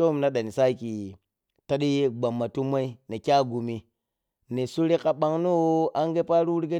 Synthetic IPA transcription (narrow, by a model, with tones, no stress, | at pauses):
o˦m˨na˦ɗa˨ni˨sa˦ki˨ | ta˦ɗi˦ɡ͡ba˨mːa˨tu˦ma˦i˦ni˨kʲa˦˨ɡu˨mi˨ | ni˨su˦ɾi˦ka˨ɓa˦ŋnu˦a˦ŋɡe˦pa˦ɾu˦wu˦ɾɡe˦